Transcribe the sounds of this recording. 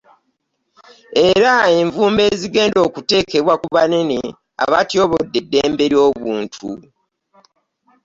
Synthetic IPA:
e̞ɾae̞ɱvuːmbe̞ːziɡe̞ːndo̞ːkute̞ːke̞βwakuβaneni | a̰βatjo̞ːβodːedːe̞ːmbe̞ɾjo̞ːβuːntʰṵ

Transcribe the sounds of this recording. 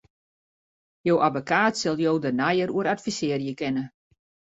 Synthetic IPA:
jowʔavokaːtsɛlˠjowdənajəɾuəɾatfisɪərjəkɪnə

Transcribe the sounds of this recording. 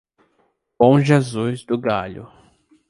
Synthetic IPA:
b̥õw̃ʒezuzd̪ʊɡaʎʊ̰

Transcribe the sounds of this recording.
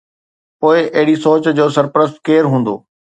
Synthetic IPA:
poːɪʔɐɦɪɽisoːt͡ɕd͡ʑoːsɐɾpɾəskeːɾɦũːnd̪o̰ː

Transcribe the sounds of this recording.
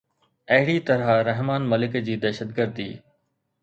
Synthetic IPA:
ɐɦɪɽit̪ɐɾaɾɐɦmaːnmɐlɪkd͡ʑiːd̪ɛːʃət̪̚ɡəɾd̪ḭː

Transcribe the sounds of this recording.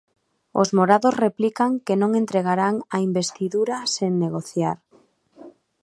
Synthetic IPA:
o̰zmoɾaðozreplikaŋkenõŋent̪ɾeɣ̞aɾaŋaimbest̪iðuɾaseŋneɣ̞oθjaɾ

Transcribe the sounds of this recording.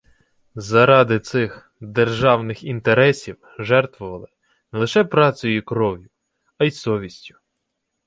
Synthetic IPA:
zɐɾɑd̪ɪt̪sɪx | d̪erʒɑwnɪxint̪eɾɛsʲiw | ʒɛrt̪ʋʊʋɐlˠɪ | nɛlˠɪʃɛpɾɑt͡s̪ʲʊjikɾɔʋjʊ | ɐjsɔʋʲisʲtʲʊ̥

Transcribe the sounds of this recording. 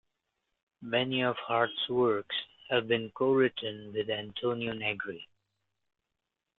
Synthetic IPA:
mɛniɔv̥hɑɹtswə˞kshævbɨ̃nkoʊɹɪtə̃nwɪðæ̃ntʰõːnionɛɡɹi

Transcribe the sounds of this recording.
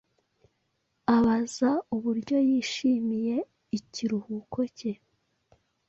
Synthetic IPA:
aβazauβuɾɟo̞jiːʃiːmije̞ | iciɾuhuko̞ce

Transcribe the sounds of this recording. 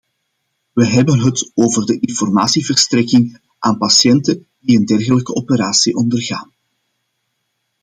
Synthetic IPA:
ʋəɦɛbənɦətoːvərdəʔɪnfɔrmaːsivərstɾɛkɪŋ | ʔaːnpɑsjɛntədiəndɛrɣələkəɔpəɾaːsiʔɔndərɣaːn

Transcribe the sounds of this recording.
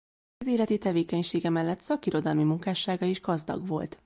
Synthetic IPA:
ɒzeːlɛt̪it̪ɛveːkɛɲʃeːɡɛmɛlːɛt̪sɒkiɾo̞d̪ɒlmimuŋkaːʃaːɡɒeʒɡɒzd̪ɒ̰ɡʋo̞̰lt̪

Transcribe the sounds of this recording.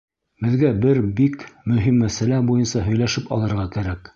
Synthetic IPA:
bɘ̆ðɡæbɘɾbikmɵ̆ɦimːæsælæbujɤnsɑɦɵ̆jlæʃɘpɑ̰lˠɤ̆ɾʁɑkæɾæk

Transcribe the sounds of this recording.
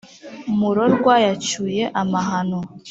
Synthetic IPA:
muɾo̞ɾɡwaːjat͡ʃuje̞ʔamaɦano

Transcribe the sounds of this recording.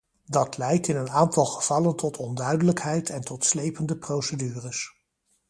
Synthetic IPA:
dɑtlɛjk̚tɪnənaːntɑlˠχəv̥ɑləntʰɔtʰɔndœɥdələkɦɛjtʰɛntɔtslejpəndəprowsədyːrəs

